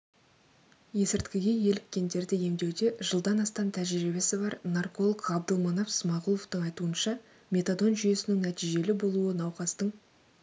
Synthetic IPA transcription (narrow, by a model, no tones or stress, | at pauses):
je̞sɪɾt̪kʲɪɡʲe̞je̞lɪk̚ʲːe̞nd̪e̞ɾd̪ɪje̞md̪e̞wd̪e̞ʒəlˠd̪ɑnɑst̪ɑnt̪ʰæʒɾibe̞sɪbɑɾnɑrko̞lˠəqɑb̚d̪əlˠmɑnɑpsmɑʁulˠo̞ft̪əŋɑjt̪uənʃɑ | mʲe̞t̪ad̪o̞nʒʏje̞sɪnɪŋnæt̪ijʒe̞lɪbo̞lˠuənɑwqɑst̪əɴ